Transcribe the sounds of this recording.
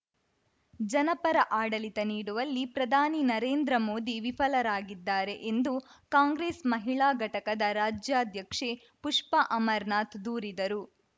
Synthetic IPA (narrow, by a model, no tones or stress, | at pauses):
d͡ʒɐnɐpɐɾɐʔaːɽɐlit̪ɐniːɽuʋɐlːipɾɐd̪ʱaːninɐɾeːnd̪ɾɐmo̞ːd̪iʋipʰɐlɐɾaːɡid̪ːaːɾe̞ʔend̪ukaːŋɡɾeːsmɐɦiɭaːɡʱɐʈɐkɐd̪ɐɾaːd͡ʒjaːd̪ʱjɐkʂe | puʂpɐʔɐmɐɾnaːt̪d̪uːɾid̪ɐɾu